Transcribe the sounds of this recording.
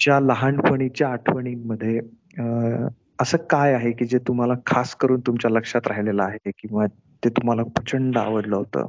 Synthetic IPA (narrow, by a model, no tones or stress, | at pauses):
t͡ɕjaləɦaɳpəɳit͡ɕjaːʈʰʋəɽ̃imːəd̪ʱːje | əsəːkajaɦekiːd͡ʑet̪um̤alakʰaskəɾuːnt̪umt͡ɕjaləkʂat̪ɾaɦilelaːɦekĩw̃ʋa | t̪et̪um̤alapət͡ɕəɳɖəa̰ʋəd̪ləɦot̪ə̰ː